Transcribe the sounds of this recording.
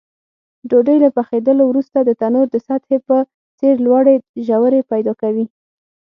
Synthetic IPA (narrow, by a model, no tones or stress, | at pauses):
ɖoɖəjlapaxed̪əlowɾust̪ad̪ət̪anoɾd̪əsat̪hepə | t͡seɾlwaɽeʒawəɾepajd̪ɑkawi